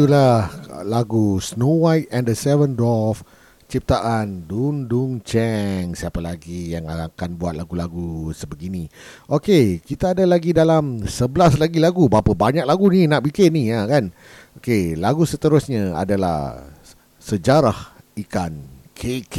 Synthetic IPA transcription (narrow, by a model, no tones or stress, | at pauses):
t̪ulahlaɡusnowajt̪̚ɛ̃ndəsɛvəndɔf | t͡ʃip̚t̪aʔanduŋduŋt͡ʃɛŋsiapalaɡijaŋaakanbuat̪̚laɡulaɡusəbəɡiniʔokekit̪aːdalaɡidalamsəbəlaslaɡilaɡubaapabaɲak̚laɡuninaʔ̚bikɪnijakan | okelaɡusət̪əɾʊsɲaa̰dala̰h | səd͡ʒaɾah | ikankʰek